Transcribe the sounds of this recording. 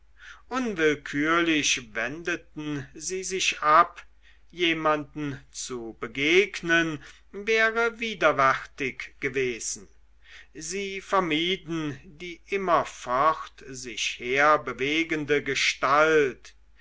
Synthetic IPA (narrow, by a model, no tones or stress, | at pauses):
ʔʊnvɪlkʰyːɐlɪʃvɛndətn̩ziːzɪçʔap | jeːmandn̩t͡subəɡeːɡnən | vɛːʁəviːdɐvɛʁtɪkɡ̥əveːz̥n̩ | ziːfɛɐmiːdn̩diːʔɪmɐfɔχtzɪçheːɐbəveːɡəndəɡəʃtalt